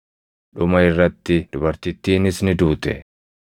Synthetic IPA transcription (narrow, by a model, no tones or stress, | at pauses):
ᶑʊmɐɪrːɐt̪ːɪd̪ʊbɐɾt̪ɪt̪ːiːnɪsnɪd̪uːt̪ɛ̰